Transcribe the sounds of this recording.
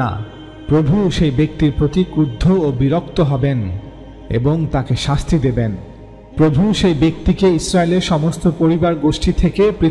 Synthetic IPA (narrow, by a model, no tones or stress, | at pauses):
a̰ | pɾobʱuʃejbek̚t̪iɾpɾot̪ikud̪ʱːoobiɾok̚t̪oɦɔben | ḛboŋt̪akeʃast̪ʰid̪eben | pɾobʱuʃejbek̚t̪ikeisɾaeleɾʃɔmost̪opoɾibaɾɡoʃʈit̪ʰekepɾi